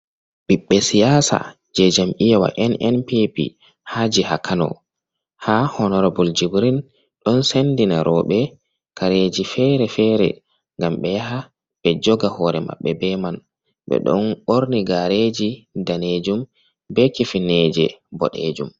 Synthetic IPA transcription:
b̥iɓːɛsijasa̰ | d͡ʒɛd͡ʒamʔijawa̰ʔɛnʔɛnpipḭ | had͡ʒiha̰kanɔ̰ | hahɔnɔɾabuld͡ʒibɾin | ɗɔnsendinaɾʔɔːɓɛ | kʰaɾed͡ʒifɛɾɛfɛːɾɛ̰ | ŋɡamɓɛjaɦa | bɛd͡ʒɔɡahɔɾɛma̰ɓːɛbɛman | ɓɛ̰ɗɔ̰nɓoɾniɡaɾed͡ʒidaned͡ʒum | bɛkifined͡ʒɛ̰bɔ̰ɗḛd͡ʒum

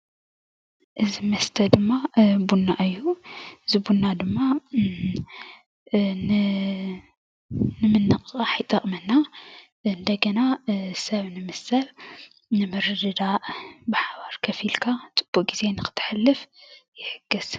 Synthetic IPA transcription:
ʔɨzimɐst̪ʰɐd̪ɨmːabunːaʔɨjːuɨzibunːad̪ɨmːa | n | nɨmɨnːɨqʼɨkʼaħajt̪ʼɐχʼmɐnːa | ɨnd̪ɐɡɐnasɐβnɨmɨsɐl | nɨmɨɾɨdɨd̪aʔbɨħaβaɾkʰɐfilkʰat͡sʼɨ̥b̥ːuʔʼɡize̞nɨkʰɨ̥t̪ʰːɨ̥ħɨlːɨfjɪħɨɡ̥ːɨz̥

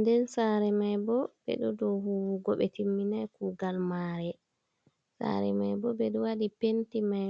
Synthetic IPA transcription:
ndɛnsaːɾɛmajbɔbɛ̰ɗɔdɔhuwuɡɔɓɛtimːinajkuːɡalmaːɾɛ | sa̰ɾɛmajbɔbɛɗɔwaɗipentimaj

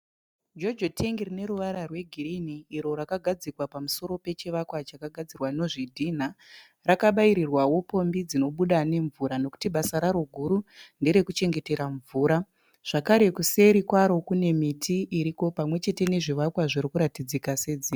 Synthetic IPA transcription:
d͡ʒo̞d͡ʒotʰeŋɡirine̞ɾuʋaɾarweɡʱiriniːɾo̞ɾakaɡʱad͡zikwapamuso̞ɾo̞pe̞t͡ʃiʋakwat͡ʃakaɡʱad͡zirwano̞ʐidʱin̤a | rakaɓaiɾirwawo̞po̞mbid͡zino̞ɓuɗane̞ɱvuɾano̞ku̥tiɓasaɾaɾo̞ɡʱuɾundeɾe̞kut͡ʃe̞ŋɡe̞te̞ɾaɱvuːɾa | ʐ̥akaɾe̞kuse̞ɾikwaɾo̞kune̞mitʰiʔːɾiko̞pamwe̞t͡ʃe̞te̞ne̞ʐiʋakwaʐiɾikuɾatid͡zikased͡ziːa

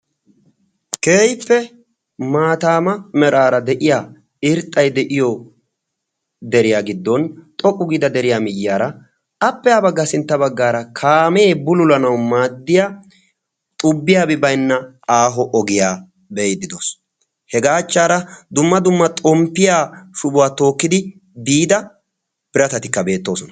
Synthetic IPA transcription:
ke̞ːjpːɛ | maːt̪aːmɐmɛɾaːɾɐd̪ɛʔɪja | ɪɾt̪ʼːɐjd̪ɛʔɪjɔ | d̪ɛɾɪjaːɡɪd̪ːɔnt̪ʼɔkʼːʊɡiːd̪ɐd̪ɛɾɪjaːmɪjːaːɾɐ | ɐpːɛaːbɐɡːɐsɪnt̪ːɐbɐɡːaːɾɐkʰaːme̞ːbʊlʊlɐnɐwmaːd̪ːɪja | t̪ʼʊbːɪjaːbɪbɐjnːɐ | aːɦɔʔɔɡɪjaː | beːd̪ːɪd̪oːs | hɛɡaːt͡ʃːaːɾɐd̪ʊmːɐd̪ʊmːɐt̪ʼɔmpːɪjaːʃʊbʊwaːt̪o̞ːkːɪd̪ɪ | biːd̪ɐ | pɪɾɐt̪ɐt̪ɪkːɐbe̞ːt̪ːo̞ːsɔnɐ

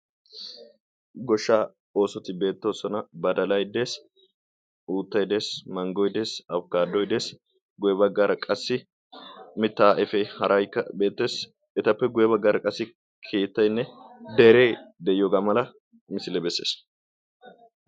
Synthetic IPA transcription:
ɡɔʃːaː | o̞ːsɔt̪ɪbe̞ːt̪ːo̞ːsɔnɐbɐd̪ɐlɐjd̪eːs | uːt̪ːɐjd̪e̞ːsmɐŋɡɔjd̪e̞ːsɐbkaːd̪ːɔjd̪e̞ːs | ɡʊjɛbɐɡːaːɾɐkʼɐsːɪ | mɪt̪ːaːʔɛfɛhɐɾʔɐjkːɐbe̞ːt̪ːe̞ːs | ɛt̪ɐpːɛɡʊjɛbɐɡːaːɾɐkʼɐsːɪ | kʰe̞ːt̪ːɐjnːɛd̪ɛɾe̞ːd̪ɛjɪjoːɡaːmɐlɐ | mɪsɪlɛbɛsːe̞̰ːs

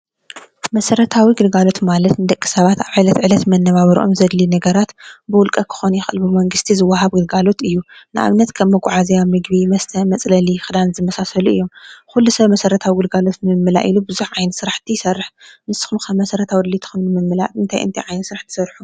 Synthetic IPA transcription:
mɐsɐɾɐt̪ʰawiɡɨlɡalo̞t̪malɐt̪nɨd̪ɐkʼːi̥sɐβat̪aβʕajlɐt̪ʕɨlɐt̪mɐnːɐβaβɐɾḭʔo̰mzɐd̪linɐɡɐɾat̪bɨwʊlkʼɐkʰɨ̥xonjɪxʼɨlbɨmɐŋɡɨst̪ʰizɨwːaɦaβɡɨlɡalo̞t̪ɨjːunɨʔa̰βnɐt̪kʰɐmːɐɡʷʼuʕazijamɨɡβimɐst̪ʰɐmɐt͡sʼlɐlixɨd̪anzɨmɐsasɐluʔɨ̰jːo̞mxulːusɐβmɐsɐɾɐt̪ʰawiɡɨlɡalo̞t̪nɨmɨmːɨla̰ʔilubɨzuħʕajnɨsɨɾaħt̪ʰisɐrːɨħmɨsɨ̥xumkɐmːɐsɐɾɐt̪ʰawid̪lit̪ʰɨ̥xɨnnɨmɨmːɨla̰ɨnt̪ʰajʔɨ̰nt̪ʰajʕajnɨsɨɾaħt̪ʰɨ̥sɐɾħu

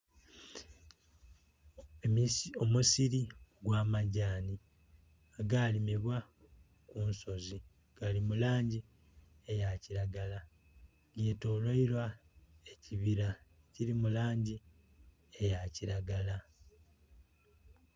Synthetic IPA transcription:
omusiɾioɡwaːmaɟaːni | aɡalimiβwa | kuːnso̞zi | ɡ̥alimulaːɲɟi | ejaciɾaɡala | ɡeto̞loilwaeciβiɾa | ciɾimulaːɲɟi | e̞jaciɾaɡala

